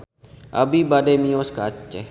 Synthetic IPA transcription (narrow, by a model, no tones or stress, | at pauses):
ʔa̰bibademioskat͡ʃːe